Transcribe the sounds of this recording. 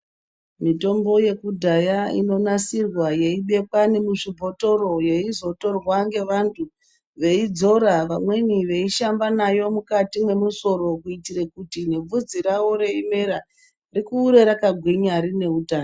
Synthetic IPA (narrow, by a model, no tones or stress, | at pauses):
mito̞mbo̞je̞kudʱajaḭno̞nasirwaje̞iɓe̞kwanemuʐibʱo̞to̞ɾo̞je̞izo̞to̞rwaŋɡe̞ʋantʰu | ʋe̞id͡zo̞ɾaʋamwe̞niʋe̞iʃambanajo̞mukatimwe̞muso̞ɾo̞kuitire̞kutineb͡vud͡ziɾawo̞ɾe̞ime̞ɾa | rikuːɾe̞ɾakaɡʱwiɲaɾine̞utaːno